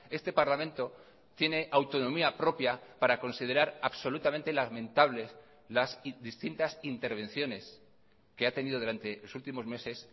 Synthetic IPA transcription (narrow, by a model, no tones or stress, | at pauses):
e̞st̪e̞paɾlamẽ̞nt̪o̞ | t̪je̞ne̞ʔawt̪o̞nõ̞miapɾo̞pjapaɾako̞nsiðe̞ɾaɾaβso̞lut̪ament̪e̞lamẽ̞nt̪aβle̞s | lasðist̪int̪asint̪e̞ɾβ̞e̞nθjo̞ne̞s | ke̞at̪e̞niðo̞ðuɾant̪e̞lo̞sult̪imo̞zme̞se̞s